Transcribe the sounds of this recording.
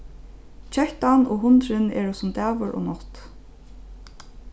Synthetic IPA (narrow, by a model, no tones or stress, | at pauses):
t͡ɕʰœht̪anoːɦʊnt̪ɾɪnɛ̰ːɹʊsʊmt̪æːʋʊɾɔ̰ːnɔt̪